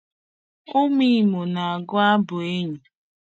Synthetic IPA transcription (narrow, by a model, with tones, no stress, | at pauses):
o˦mi˦˨mo˨na˨a˨ɡʊ˦a˦bʊ˨e˦ɲu˨